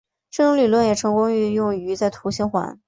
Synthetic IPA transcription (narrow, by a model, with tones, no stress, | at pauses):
ʈ͡ʂɤ˥˩ʈ͡ʂʊ˧˥ŋly˨˩lwə˥˩njɛ˨˩ʈ͡ʂʰɤ˧˥ŋkʊ˥ŋy˧˥˧jʊ˥˩ŋy˧˥t͡sa˥˩ɪt̪ʰu˧˥ɕi˧˥ŋxwa̰˧˥n